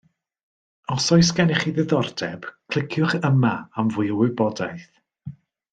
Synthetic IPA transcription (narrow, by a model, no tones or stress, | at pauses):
ɔsɔjsɡɛnɪχiðɪðɔrdɛb̥kʰl̥ˠɪkʰjʊχəmaamvʊjəwɪbɔdajθ